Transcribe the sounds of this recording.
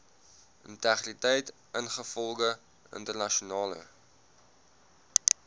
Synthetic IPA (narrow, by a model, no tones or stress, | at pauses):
ʔəntæχritɛjt | ənχəfɔlˠɡə | ə̰ntərnɐʃunɑːlə̰